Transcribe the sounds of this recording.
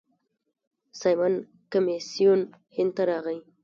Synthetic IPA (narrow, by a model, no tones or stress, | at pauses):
sajman | kamesijun | hɪnd̪̚t̪aɾɑɣəj